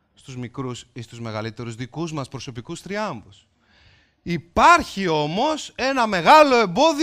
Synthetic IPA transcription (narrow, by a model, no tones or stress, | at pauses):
st̪uzmikɾusist̪uzme̞ɣɐlit̪e̞ɾuzðikuzmɐspɾo̞so̞pikust̪ɾiɐɱbus | ipɐɾçio̞mo̞se̞nɐme̞ɣɐlo̞e̞mbo̞ði